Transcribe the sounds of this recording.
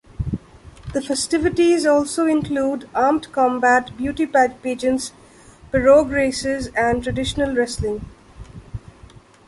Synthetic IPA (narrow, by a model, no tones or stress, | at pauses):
d̪̥əfɛsʈɪʋɪʈizɔːlsoːɪ̃nkluːɖaːmʈkɔ̃mbæʈbjuːʈipæd͡ʒpiːd͡ʒə̃ns | pəɾoːɡɾeːsɪzæ̃ɳɖʈɾəɖɪʃənəlɾɛslɪ̃ŋ